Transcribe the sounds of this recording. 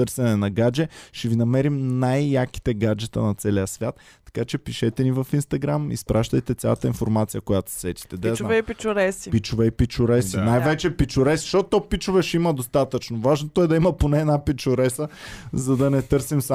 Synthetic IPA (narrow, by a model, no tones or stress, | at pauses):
t̪ɤɾsɛnɛnɐɡad͡ʒɛʃɛvinɐmɛɾimnajːaki̥t̪ɛɡad͡ʒɛt̪ə̰nɐt̪sɛlijəsvʲjat̪ːɐ̥kat͡ʃɛpiʃɛt̪ɛnivəfinst̪ɐɡɾamḭspɾʔaʃt̪əjt̪ɛt̪sʲja̰lˠət̪əinfoɾmat̪sijəkojat̪ʊ̥ssɛt̪i̥t̪ɛd̪ajzaɛpit͡ʃʊɾɛsipit͡ʃʊvɛipit͡ʃʊɾɛsinajvɛt͡ʃɛpit͡ʃʊɾɛsʃtɔt̪ːɔpit͡ʃʊvɛʃɛiməd̪ost̪at̪ət͡ʃnovaʒnot̪oɛd̪ɐimɐponɛɛd̪napit͡ʃʊɾɛsəzɐd̪ɐnɛt̪ɤɾsims